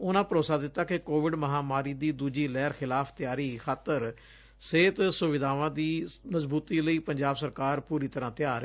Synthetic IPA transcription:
ʊnãːpəɾoːsaːd̪ɪt̪ːaːkɪkoːʋɪɖməɦaːmaːɾiːd̪iːd̪uːd͡ʒiːlɛːɾxʰɪlaːpʰt̪ɪjaːɾiːxʰaːt̪ːəɾ | seːt̪sʊʋɪd̪aːʋãːd̪iːməzbuːt̪iːləiːpəɲd͡ʒaːbsəɾkaːɾpuːɾiːt̪əɾãːt̪ɪjaːɾe

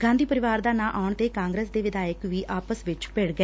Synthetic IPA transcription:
ɡãːnd̪iːpəɾɪʋaːɾd̪aːnãːʔaʊɳt̪eːkãːŋɡɾeːsd̪eːʋɪd̪aːjəkʋiːʔaːpəsʋɪt͡ʃpeːɽɡəɛː

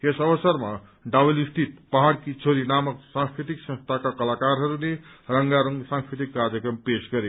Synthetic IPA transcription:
esʌbʌsʌrma | ɖabʌlist̪it̪̚paɦaɽkit͡sʰoɾinamʌksãŋskɾit̪iksʌ̃nst̪ʰakakʌlakaɾɦʌɾunerʌŋɡaɾʌŋsãŋskɾit̪̬ikːarjʌkrʌmpesɡʌɾe

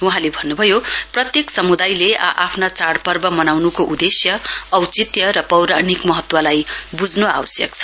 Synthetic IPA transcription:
uɦãlebʱʌnːubʱʌjoprʌt̪jeksʌmud̪ajleʔa̰pʰnat͡saɽpʌrbʌmʌnawnukoʔud̪esjʌʌwt͡sit̪jʌɾʌpʌwɾanikmʌɦʌt̪wʌlajbud͡znoa̰wʌsjʌ̰kt͡sʰʌ̥

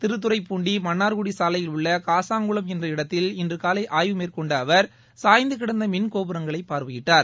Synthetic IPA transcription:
t̪ɪɾɯt̪̬ːɯɾɐɪpːuːɳɖimɐnːaːɾkʊɽisaːlɐjɪlʊɭːɐkaːsaːŋɡɯɭɐmɛndrɐɪɽɐt̪ːɪlɪndrɯkaːlɐɪʔaːjʋɯmeːɾkɔɳɖɐːʋɐɾ | saːjnd̪ɯkɪɽɐnd̪ɐmɪnkoːbɯɾɐŋɡɐɭɐɪpːaːɾʋɯjɪʈːaːɾ

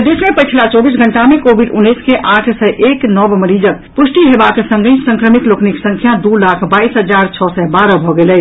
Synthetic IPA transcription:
d̪esmepət͡ʃʰlat͡ʃɔbisɡʱəɳʈamekobʱiɖunːəskeʔaʈʰsɛʔeknəbməɾid͡ʒək | pusʈiɦebaksə̃ŋɡə̃sə̃ŋkɾəmik̪lokniksə̃ŋkʰjad̪ulakʰbaisɦəd͡ʒaɾt͡ʃʰɔsɛbaɾəbʱɔɡelə

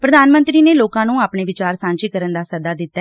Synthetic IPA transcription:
pɾəd̪aːnmə̃nt̪ɾiːneːloːkãːnũːaːpɳeːʋɪt͡ʃaːɾsãːɲt͡ʃiːkəɾənd̪aːsəd̪aːd̪ɪt̪ːaɛ

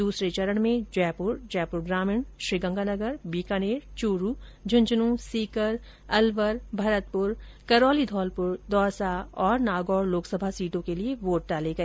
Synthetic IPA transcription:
d̪uːsɾet͡ʃɐɾəɽ̃mẽd͡ʒɛːpʊɾd͡ʒɛːpʊɾɡɾaːmɪɳʃɾiɡə̃ŋɡanɐɡəɾbiːkaneːɾt͡ʃuːɾuːd͡ʒʱɐ̃nd͡ʒnũsiːkəɾ | ɐlʋəɾbʱɐɾət̪̚pʊɾ | kɐɾɔːlid̪ʱɔːlpʊɾd̪ʱɔːɾsaɔːɾnaːɡɔːɾloːksəbʱasiːʈõkelieʋoːʈ̚ɖaːleɡɐeː

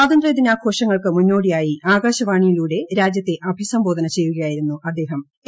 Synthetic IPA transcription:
aːd̪ɐnd̪rɐjɐd̪inaːkʰo̞ːʂɐŋːɐɭkɨmunːo̞ːɽijaːjiʔaːɡaːɕɐʋaːɳijiluːɽe̞ɾaːd͡ʑjɐt̪ːe̞ʔɐbʱisɐmboːd̪ʱɐnɐt͡ɕe̞jːuɣɐjaːjiɾunːuʔɐd̪ːe̞ːɦɐm

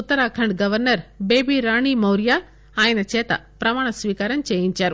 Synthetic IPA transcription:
ut̪ːɐɾaːkʰɐɳɖɡɐʋɐɾnɐɾbeːbiːɾaːɳiːmɐwɾjaː | aːjɐnɐt͡ʃɛːt̪ɐ̰pɾɐmaːɳɐsʋiːkaːɾɐmt͡ʃeːjiɲt͡ʃaːɾu

